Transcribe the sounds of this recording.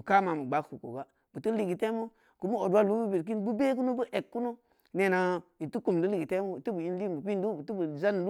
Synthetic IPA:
mu˨ka˦ma˨mu˨ɡ͡ba˦kku˨ko̰˨ba˦ | bu˨tu˦li˨ɡi˨te˦mu˦ | ku˨˦mu˦o˨dwa˦lu˦bu˦bi˨k̬i˦nbu˦be˦k̬u˦no˦bu˦ʔe˨kːu˦no˦ | ne˨na˨ji˨tu˦ku˨m˨du˦li˨ɡi˨te˦mu˦i˨tu˦bu˨ji˦n˦li˦bu˨pi˦n˦du˦bu˨tu˦bu˨za˦n˨lu˦

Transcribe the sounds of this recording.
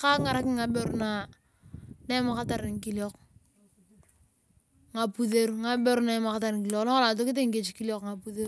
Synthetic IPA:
ka˦ŋa˨ɾa˦kɪ˦ŋːa˨be˦ɾna˨ | na˦ma˨ka˦ta˨ɾɪ˨ŋ˨ki˦ljɔ˦k | ŋa˨pu˦θe˦ɾu˦ŋa˦be˦ɾna˨˦ma˨ka˦ta˨ɾɪ˨ŋki˦ljɔ˨knɔ˦kla˨t̬o˦kɪ˦t̬e˦ŋ̩˦ke˨t͡ʃiki˦ljɔ˦kŋa˨pu˦θe˦ɾu˦

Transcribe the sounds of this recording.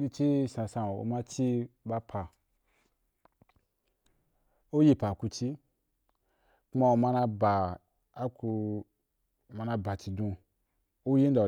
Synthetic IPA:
i˧t͡ʃi˦sã˧sã˧˨o̰˧ma˦t͡ʃi˦ba˧pʰa˨ | o˦ji˧˦pa˨ku˧t͡ʃi˦ | ku˦ma˧o˧ma˦˧na˧ba˨ | a˦ku˧˨ | ma˧na˧ba˨t͡ʃi˧dũ˧ | o˦ji˦n˦da˨

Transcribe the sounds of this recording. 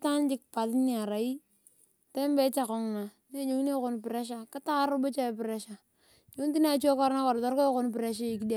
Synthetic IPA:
ta˦nt͡ʃɪ˦k̚pa˨tni˦a˨ɾa˨i˦ | te˦mbe˦t͡ʃa˨kɔ˨ŋ˨na˨ | ne˦ɲo˨˦ŋ˦ne˦ko˦npɪ˨ɾe˦ʃ̬a˦ka˦ta˦ka˦ɾʊ˦bo˦t͡ʃa˦˨pɪ˨ɾe˦ʃa˨ | jo˦n˦ti˦n˦a˦˨t͡ʃo˦kɔ˦ɾna˦kɔ˨ɾtɔ˦ɾkɔ˦ko˦npɪ˨ɾe˦ʃ̬a˦i˨ki˦de˦

